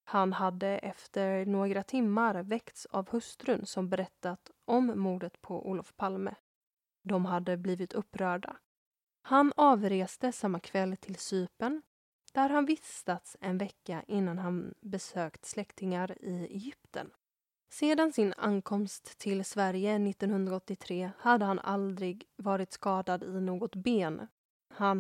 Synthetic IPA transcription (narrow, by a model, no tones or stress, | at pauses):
hanhad̪ːəʔɛft̪əɾɳoːɡɾat̪ʰɪmːaɾvɛkt̪savhɵst̪ɾɵnsɔmbɛɾɛt̪ːat̪ʔɔmːuːɖət̪pʰɔʔṵːlɔfpʰalmə̰ | d̪ɔmɦad̪ːəbliːvɪt̪ʰɵpːɾœːɖa̰ | hanɑːvɾeːst̪əsamːakʰvɛlːt̪ʰɪlsyːpəɳ | d̪̥æɾɦanvɪst̪at̪sɛnvɛkːaʔɪnːanɦanbɛsøːkt̪slɛkt̪ɪŋaɾɪɛ̰jʏpt̪ə̰n | seːd̪ansɪna̰nkʰɔmst̪ʰːɪlsvæɾjənɪt̪ːɔnhɵnd̪ɾaɔt̪ːɪt̪ʰɾeːhad̪ːəhana̰ld̪ɾɪɡvɑːɾɪt̪skɑːd̪ad̪ɪnoːɡɔt̪beːn | han